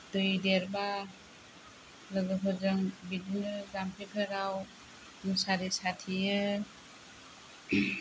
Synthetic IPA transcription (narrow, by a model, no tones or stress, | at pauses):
d̥ɯjdeɾba | lɯɡɯpʰɯzɯŋbidinɯzampʰikʰɯɾaw | nusaɾisatʰijɯ